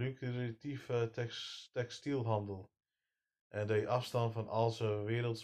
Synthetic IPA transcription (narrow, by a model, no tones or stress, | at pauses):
lykritivətɛkstilˠɦɑndəlˠ | ʔɛndəjʔɑfstɑnfɔnɑlˠsəʋɪːɾəlˠts